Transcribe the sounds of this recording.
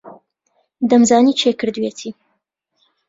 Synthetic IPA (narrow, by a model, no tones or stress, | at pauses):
d̪ɐmzaːniːt͡ʃʰekɨɾd̪uwet̪ʰiː